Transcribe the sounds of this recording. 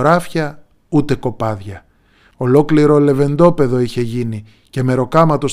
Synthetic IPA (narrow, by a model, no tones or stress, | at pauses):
ɾɐfçɐ | ut̪e̞ko̞pɐðʝɐ | o̞lo̞kliɾo̞le̞ve̞nd̪o̞pe̞ðo̞içe̞ʝini | ce̞me̞ɾo̞kɐmɐt̪o̞s